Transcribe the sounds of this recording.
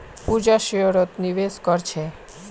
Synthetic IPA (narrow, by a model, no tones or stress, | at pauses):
pud͡ʒaʃioɾot̪niʋeskɔɾt͡ʃʰe